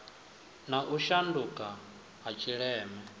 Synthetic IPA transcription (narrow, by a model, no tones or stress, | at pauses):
naʔuʃandukʼa | ɦat͡ʃʰiɺɛːmɛ